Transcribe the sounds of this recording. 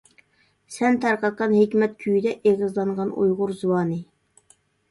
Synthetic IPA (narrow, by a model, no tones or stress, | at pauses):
sɛnt̪ʰæɾqɑt̪̚qɑnhekʲmɛt̪̚kʲʰyjd̪ɛʔeʁɨzlˠɑɴʁɑnṵjʁʊɾzuwɑːnɨ